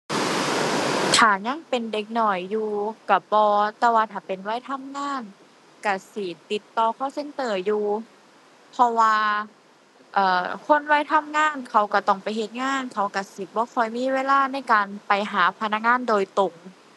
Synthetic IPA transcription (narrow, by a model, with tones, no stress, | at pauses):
t̪ʰaː˨˩ɲa˧˥˨ŋpe˨nde˨˧˦k̚nɔ˨˩jːuː˧ka˧˩bɔː˧t̪ɛː˧˩waː˧t̪ʰaː˨˩pe˨nwa˧˥˨jt̪ʰa˧˥˨mŋaː˧˥˨n | ka˧˩siː˨˩˦t̪i˧˦t̪ːɔː˧kʰɔː˧˥˩se˧˥nt̪ɤː˧˩juː˧ | pʰɔ˧waː˧ | ʔɤː˨˩kʰo˧˥˨nwa˧˥˨jt̪ʰa˧˥˨mŋaː˧˥˨nkʰa˧˩wka˧˩t̪ɔ˧˩ŋpa˨jɦe˧˦t̪̚ŋaː˧˥˨nkʰa˧˩wka˧˩si˨˦t̪̚bɔː˧˦kʰɔ˧˩jmiː˧˥˨weː˧˥˨laː˧˥˨na˧˩˨jkaː˨npa˨jɦaː˨˦pʰa˧na˧˥k̚ŋaː˧˥˨ndoː˨jt̪o˨˩ŋ